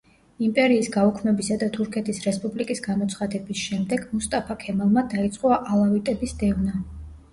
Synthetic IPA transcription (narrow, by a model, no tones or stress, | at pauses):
impʼɛɾiːsɡaukʰmɛbisad̪at̪ʰuɾkʰɛt̪ʰisɾɛspʼublikʼisɡamɔt̪sʰχad̪ɛbisʃɛmd̪ɛɡ̥must̪ʼapʰakʰɛmalˠmad̪ait̪sʼqʼɔaʔalˠavit̪ʼɛbisd̪ɛvna